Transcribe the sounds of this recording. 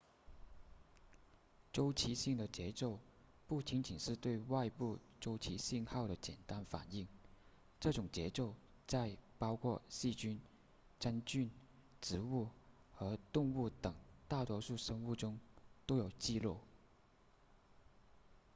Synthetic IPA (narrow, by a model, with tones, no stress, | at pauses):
ʈ͡ʂo˥ʊt͡ɕʰi˧˥ɕi˥˩ŋd̪ə˩t͡ɕjɛ˧˥ʈ͡ʂo˥˧ʊ | pu˥˩t͡ɕi˧˥ŋt͡ɕi˨˩nʂɻ̩˥˧t̪we˥˧ɪwa˥˧ɪpu˥˩ʈ͡ʂo˥ʊt͡ɕʰi˧˥ɕi˥˧ŋxɑ˥˩ʊɾə˩t͡ɕjɛ̰˨˩nt̪a˥nfa̰˨˩ni˥˩ŋ | ʈ͡ʂɤ˥˩ʈ͡ʂʊ˨˩ŋt͡ɕjɛ˧˥ʈ͡ʂo˥˧ʊ | t͡sa˥˩ɪpɑ˥ʊkʰwɔ˥˧ɕi˥˩t͡ɕy˥n | ʈ͡ʂa˥nt͡ɕy˥˩n | ʈ͡ʂɻ̩˧˥u˥˩ | xɤ˧˥t̪ʊ˥˧ŋu˥˩t̪ɤ˨˩ŋt̪a˥˩t̪wɔ˥ʂu˥˩ʂɤ˥ŋu˥˩ʈ͡ʂʊ˥ŋt̪o˥ʊjo˨˩ʊt͡ɕi˥˧lwɔ˥˩